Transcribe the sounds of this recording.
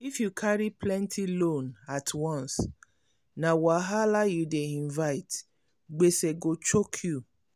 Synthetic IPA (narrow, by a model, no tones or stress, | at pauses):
ifjukʰaɾiplɛ̃ntʰilõnatʰwɔ̃ns | nawaɦalajudeĩnvaɪt | ɡ͡beseɡot͡ʃokʰju